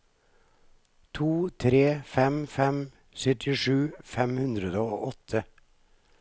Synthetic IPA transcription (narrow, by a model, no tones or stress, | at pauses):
t̪ʰuːt̪ʰɾeːfɛmfɛm | sœt̪ʰɪʂʉːfɛmhʉnd̪ɾəd̪əoːʔɔt̪ʰə